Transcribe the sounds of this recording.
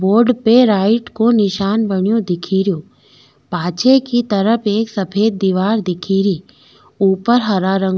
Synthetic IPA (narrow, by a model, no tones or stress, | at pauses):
boːɾɖpeɾaːɪʈkonɪʃaːnbɐɽjõd̪ɪkʰiːɾjoː | paːt͡ʃekit̪ɐɾəpʰeːksɐpʰeːd̪̚ːiʋaːɾd̪ɪkʰiːɾiː | uːpəɾɦɐɾaːɾə̃ŋ